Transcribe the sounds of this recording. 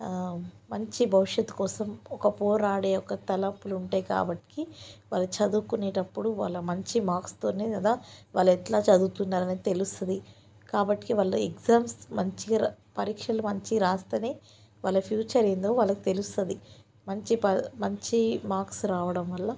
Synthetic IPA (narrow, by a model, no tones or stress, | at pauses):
mɐɲt͡ʃibʱɐʋiʂjɐt̪ːu̥kɔːsɐmɔkɐpɔːɾaːɽeːɔkɐt̪ɐlɐpːuluɳʈaːjka̰ːbɐʈːi̥kiʋa̰ːlːɐt͡ʃɐd̪uːkuneːʈɐpːuɽuʋa̰ːlːɐmɐɲt͡ʃimaːkst̪o̞ːneːɐd̪aʋaːlːɐɛtlaːt͡ʃɐd̪uːt̪unːaːɾɐnit̪e̞lust̪ɐd̪i | kaːbɐʈːi̥kiʋaɭːɐeɡzaːmsmɐɲt͡ʃipɐɾiːkʂɐlumɐɲt͡ʃiiɾaːst̪ɐneː | ʋaːlːɐpʰjuːt͡ʃɐɾend̪o̞ːʋaːlːɐki̥t̪e̞lust̪ɐd̪i | mɐɲt͡ʃipɐmɐɲt͡ʃimaːɾksɾaːʋɐɽɐmʋɐlːɐ